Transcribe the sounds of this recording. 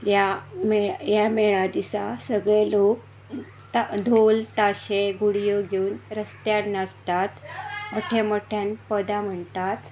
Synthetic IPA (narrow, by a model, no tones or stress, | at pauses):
jameɭjameɭad̪isasəɡɭelok̚ | t̪ad̪ʱolt̪aɕeɡuɽijəɡʱeunɾəst̪jaɽnad͡zt̪at̪əʈʰeməʈʰjanpəd̪am̤əɳt̪at̪